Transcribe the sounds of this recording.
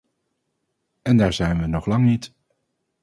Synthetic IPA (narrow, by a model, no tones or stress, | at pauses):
ɛndaːɹzɛjnʋənɔχlɑŋnit